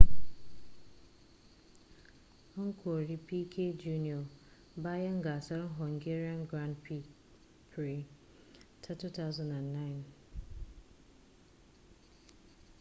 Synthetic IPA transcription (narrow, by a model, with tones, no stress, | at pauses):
ɔ˦ŋ̩˦kʰo˨ɾi˦pi˦kʰe˦d͡ʒu˦ni˨ɔ˨ | ba˦ja˦ŋ˦ɡa˨sa˦ɾɦɔ˨ŋɡe˦ɾi˦ã˦nɡɾã˦ndpʰi˦ | pʰɹi˨ | tʰa˦tu˦ta˦ʊzã˨na˨nːa˦ɪn